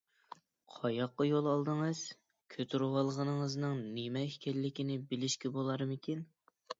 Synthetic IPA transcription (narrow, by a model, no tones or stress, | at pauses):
qʰɑjɑqːɑjolˠɑlˠd̪ɨŋɨz̥ | kʲʰøt̪ʰyɾwɑlˠʁənɨŋəznɨŋnemɛhkʲʰɛlːɪkʲinɪbɪlɪʃkʲɛbolˠɑɾmɪkʲʰin